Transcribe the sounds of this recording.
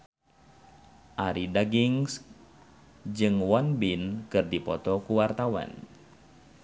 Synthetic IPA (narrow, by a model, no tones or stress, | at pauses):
ʔaɾidaɡiŋs | d͡ʒɨŋwɔnbinkɨrdipɔt̪ɔkuwart̪awa̰n